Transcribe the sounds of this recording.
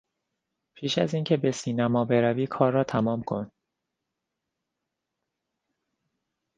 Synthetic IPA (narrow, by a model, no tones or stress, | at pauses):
pʰiːʃæ̰ziːncʰe̞be̞siːnæmɒːbe̞ɾæviːkʰɒːrːɒːt̪ʰæmɒːmkʰo̞̰n